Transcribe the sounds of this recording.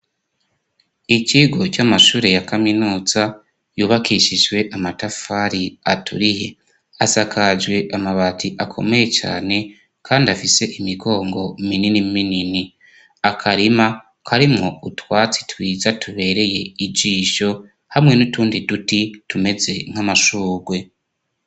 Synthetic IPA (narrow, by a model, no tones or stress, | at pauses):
iciɡo̞t͡ʃamaʃuːɾe̞jakaminuːz̥a | juːβakʰiʃid͡ʒwe̞ʔamatafaɾiatʰṵɾihe | asakʰad͡ʒɡwe̞ʔamaβatʰiʔakʰo̞̰me̞je̞t͡ʃa̰ːne̞ | kʰaːndiafise̞ʔimiɡo̞ːŋɡo̞mininimminini | akʰaɾima | kaɾimŋo̞utwaːt͡si̥twiːzatuβe̞ːɾe̞je̞id͡ʒiːʃo̞ | hamŋe̞nutuːndidutitume̞ze̞ŋ̥amaʃuːɡwe̞